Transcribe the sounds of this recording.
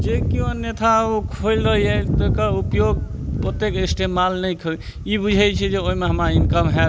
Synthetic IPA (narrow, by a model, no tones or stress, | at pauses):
d͡ʒekiũənjet̪ʰaokʰolɾəiet̪əkaupjoɡ̚ | pot̪ekesʈemalnəjkʰə | ibud͡ʒʱɛt͡ʃʰɛd͡ʒeoɦimeɦəmainkəmɦɛ